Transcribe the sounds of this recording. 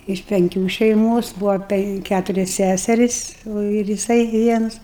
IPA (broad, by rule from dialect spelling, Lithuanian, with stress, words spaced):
ɪʃ pʲɛŋʲˈkʲuː ʃʲɛɪˈmoːs ˈbuːʋɐ ˈpʲɛŋk ˈkʲætʊrʲɛs ˈsʲæsʲɛrʲɪs oː ɪr jɪˈsɐɪ ˈʋʲiɛnʊs